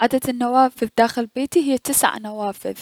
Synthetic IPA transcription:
ʕad̪ad̪nːawaːfɪðd̪aːxɪlbeːt̪iɦɪjːt̪ɪsʕanawaːfɪ̰ð

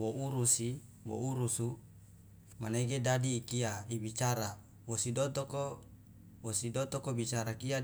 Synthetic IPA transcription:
wouɾusi | wo̰uɾusu | maneɡedadiːkiaibit͡ʃaɾa | wosidot̪oko | wosidot̪okobit͡ʃaɾakia

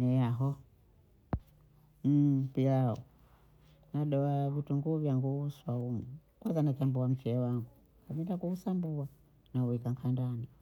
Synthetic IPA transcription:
nɛjaɦɔ | m̩piaɔ̰ | naɗɔavituŋɡuvjaŋɡuuswaumu | kwazanakambuam̩t͡ʃɛwaŋɡu | kamitakuusambua | nauikaŋkʰandani

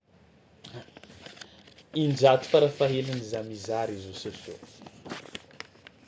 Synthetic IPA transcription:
ind͡ʒat̪u̥faɾafaɦelanizamizaɾizososo̰

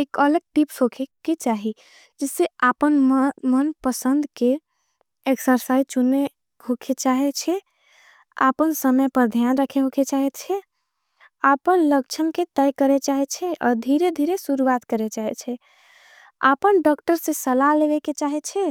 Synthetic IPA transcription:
ekələɡ̚ʈipsɦokʰeket͡ʃaɦi | d͡ʒeseapənmənpəsənd̪ʱke | eksəɾsait͡ʃune | hokʰet͡ʃaɦɛt͡ʃʰɛ | a̰pənsəməjpəɾd̪ʱjanɾəkʰeɦokʰet͡ʃaɦɛt̪t͡ʃʰɛ | apənlək̚t͡ʃʰəmket̪əjkəɾet͡ʃaɦɛt͡ʃʰɛʔɔ̰ɾd̪ʱiɾed̪ʱiɾesuɾuwat̪kəɾet͡ʃaɦɛt͡ʃʰɛ | a̰pənɖɔkʈəɾsẽsəlaleβeket͡ʃaɦɛt͡ʃʰɛ

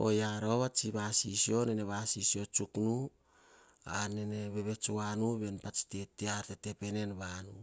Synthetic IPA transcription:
o̞̰jaɾoβat͡ʃiβasisio̞nene̞βasisio̞t͡ʃuknu | aneneβeβe̞t͡ʃuanuβe̞npat͡ʃi̥tetiaɾtetepe̞ne̞nβanu

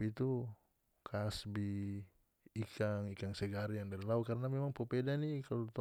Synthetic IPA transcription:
pit̪u | kʰasbiː | kʰaŋikaŋsɛɡaɾijaŋdaɾilaukaɾənamɛmaŋpopedanikalot̪

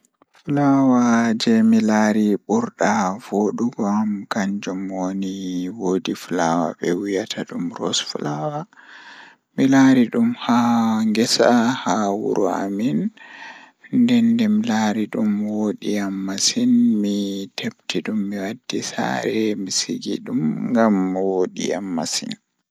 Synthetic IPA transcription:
fulawad͡ʒɛmilaːɾiɓuɾɗavoɗuɡɔamkaɲd͡ʒumwoniwoːdifulawa̰ɓɛwijatʰaɗumɾɔ̰sfulawa | milaɾiɗumhaŋɡɛsahawṵɾʔɔa̰min | ndɛndɛmilaɾiɗumwoɗiamːasinmitʰeptʰiɗumːiwadːisa̰ɾɛmisiɡḭɗumŋɡamwoɗḭa̰mːasḭn

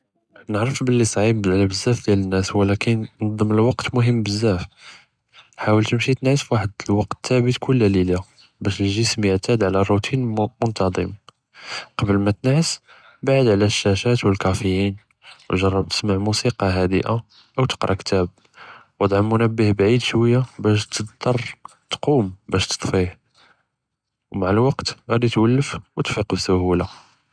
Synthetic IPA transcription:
nəʕɾəfbəlːisˤʕimblbəzːæfd̪jælənːæswəlækənnɑd̪ˤːəməlwɑqt̪mʊɦəmːbəzːæf | ħawəlt̪əmʃit̪ənʕəsfwaħəd̪lwɑq̚t̪ːæbət̪kʰʊlːælila | bæʃəlʒəsmjəʕt̪æd̪ʕlærˤːut̪ʰinmʊnt̪ɑd̪ˤəm | qɑbəlmæt̪ənʕəs | baʕəd̪ʕlæʃːæʃæt̪wəlkɑfəjin | wʒɑrˤːɑb̚t̪ə̥smaʕmusiqɑɦæd̪ə̰ʔa | ʔəwt̪ə̥qɾˤʔɑkt̪æb̚ | wəd̪ˤʕɑmːʊnəbːəhbʕid̪ʃwəjːabæʃt̪ət̪ːɑrˤ | t̪qumbæʃt̪ə̥t̪ˤfih | wmaʕəlwɑqt̪ɣæd̪it̪wəlːəfwət̪fiqbsʊhula

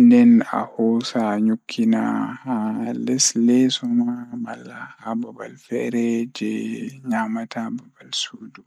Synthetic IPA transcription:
ndɛna̰hɔsaɲukʰːinahalɛslɛsumamalːahababalfɛɾɛd͡ʒɛɲamatʰababalsudu

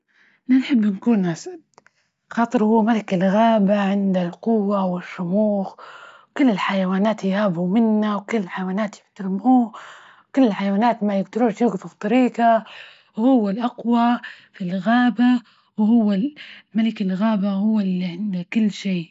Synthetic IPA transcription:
ʔnanħɪbːnkuːnʔasd | xɑːt̪ˤɨɾhʊwːamalɪkɪlɣaːbaʕɪnd̪alqʊwːawɪʃːʊmuːx | kʊlːɪlħajawaːnaːt̪jhaːbumɪnːawkʊlːɪlħajawaːnaːt̪jɪħt̪aɾɪmuː | kʊlːɪlħajawaːnaːt̪majɪɡd̪ʊɾuːʃjʊɡfʊbt̪ˤːɑɾiːqa | whʊwːalʔaqwafilɣaːba | whʊwːamalɪkɪlɣaːbahʊwːalːiʕɪnd̪akʊlːʃeː

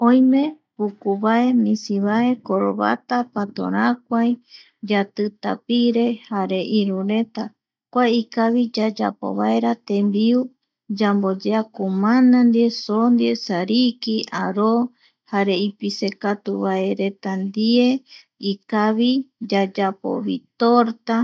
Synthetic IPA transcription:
õj̃mẽ̞ | pukuβae̞mĩsiβae̞koɾo̰βa̰t̪apat̪o̰ɾãkʷaj | d͡ʒat̪ɨt̪a̰piɾe̞haɾe̞ʔiɾuɾe̞t̪a | kʷaikaβid͡ʒad͡ʒa̰po̰βa̰eɾat̪ẽ̞mbiu | d͡ʒambod͡ʒeakumãnãnd̪iesond̪iesaɾikiaɾo | haɾe̞ipise̞kat̪uβaeɾe̞t̪and̪ie | ikaβid͡ʒad͡ʒapo̰βit̪oɾt̪a

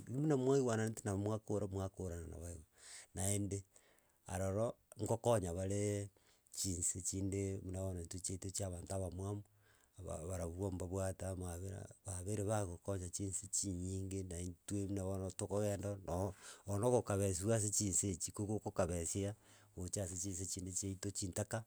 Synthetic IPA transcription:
imunamwaiwanatinamwakoɾamwakoɾanana̰βaewanaende | a̰ɾoɾoŋɡokoɲaβaɾe | t͡ʃiːnset͡ʃiːndemunaβonentut͡ʃetot͡ʃaβaːntaβamwamu | βa̰βaɾaβuβwombaβwatamaβea̰βaβeɾeβaɣokoɲat͡ʃinset͡ʃiɲiːŋɡenaintweminaβonotokoɣeːndonoːnoɣokaβes̬iβwas̬et͡ʃiːnset͡ʃikokokokaβesia | ɣot͡ʃaset͡ʃiːns̬et͡ʃiːndet͡ʃeitot͡ʃiːntaka

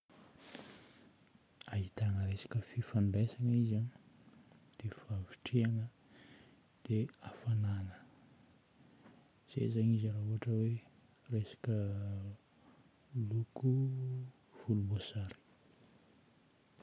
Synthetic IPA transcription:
aɦit̪aŋəɾesḁkəfifanɖ͡ʐesaŋizan | d̪̥efaviʈ͡ʂiaŋə | d̪̥eafananə | z̥ḛzaɲizaɾauɦaʈ͡ʂəwe | resḁkə | luku | v̥ulubosaɾi̥

